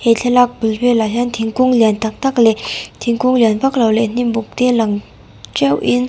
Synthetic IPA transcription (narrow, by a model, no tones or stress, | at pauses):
heːɬʰelak̚pylpʰeːlaɕant̪ʰiŋkuŋlɛnt̪aŋt̪aklɛːt̪ʰiŋkuŋlɛnpaklaleːn̥imbuk̚t̪eːlaŋ | t͡ɕawjin